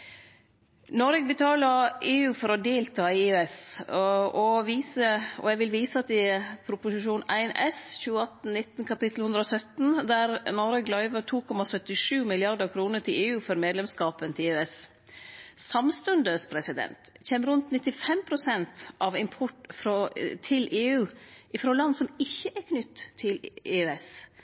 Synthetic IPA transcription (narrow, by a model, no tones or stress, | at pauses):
nɔɾɛɡ̚bət̪ʰɑːləɾeːʉːfɔɾɔd̪eːlt̪ʰɑːɛs | ɔʋiːsəɔ̰ɛɡʋɪlʋiːsəɑt̪ːɛpʰɾʊpʊsɪʃuːnæ̰ɪnʔɛsçʉːəɑt̪n̩nɪt̪ːənkʰɑpɪt̪lhʉnd̪ɾəɔsœt̪n̩d̪æɾnɔɾəɡlɑɪʋəʈʰuːkʰɔmɑsœt̪ːɪʂʉːmɪlɪɑɾd̪əɾkʰɾuːnəʈʰɪleːʉːfɔɾmeːd̪lɛmskɑːpənt̪ʰɪløːɛs | sɑmst̪ʉnd̪əspʰɾɛsɪd̪ɛ̰nt̪çeːməɾʉnt̪nɪt̪ːɪfɛmpʰɾʊsɛnt̪ʔɑʋɪmpʰɔʈfɾɔt̪ʰɪlʔeːʉːʔɪfɾolɑnsɔmɪçːəʔæɾkʰnʏt̪ʰːɪleːɛs